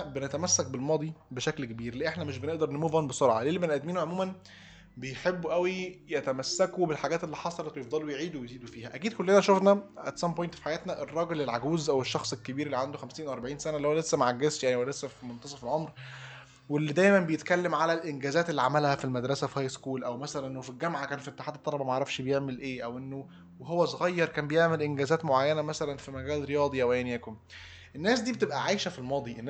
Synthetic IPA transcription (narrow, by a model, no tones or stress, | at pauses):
benæt̪æmæsːæk̚belmɑːd̪ˤibeʃæklkebiːɾleʔeħnæmeʃbeneʔd̪ɑɾˤnemuːvænbesoɾʕɑleːlbenlʔæd̪miːnuʕomuːmæn | bejħebːuʔæwijæt̪æmæsːækobelħaɡæːt̪elːiːħɑsˤɑlɑt̪wejefd̪ˤɑlːwjeʕiːd̪uwejziːd̪ofiːhæʔækiːd̪̚kolːenæʃofnæʔæ̰t̪sæmpojnt̪fi̥ħajæːt̪næʔerˤːɑːɡelelʕaɡuːzʔæweʃːɑxsˤelkebiːɾelːiʕand̪oxæmsiːnʔʔɑɾˤbaʕiːnsænælːihowælesːæmʕaɡːezt̪jaʕniwælesːæfimont̪ɑsˤɑfelʕomɾ | welːid̪æːjmænbejet̪kælːemʕalælʔenɡæːzæːt̪elːiʕamælhæfilmæd̪ɾˤɑsæfihæːjskuːlʔæwmæsælænʔenːofilɡæmʕakæːnfiʔet̪ːe̥ħaːd̪et̪ˤːɑlɑbɑmæʕɾˤɑfʃbejeʕmelʔeːʔæwʔenːo | ɦowːæsoɣɑjːɑɾˤkæːmbejeʕmelʔenɡæːzæːt̪moʕajːænæmæsælænfimæɡæːlɾejɑːd̪ˤiʔæwʔæjænjæːkom | ʔenːæːs̬d̪iːbet̪ebʔæʕajʃæfilmɑːd̪ˤiʔenː